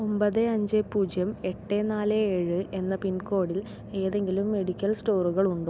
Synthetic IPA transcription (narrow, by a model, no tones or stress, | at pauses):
ombɐðɨɐɲd͡ʑepuːd͡ʑjɐme̞ʈːenaːleeːɻɨʔe̞nːɐpinko̞ːɽil | e̞ːðe̞ŋɡilumːe̞ɽikʲːɐlsʈoːruɣɐɭuɳɖo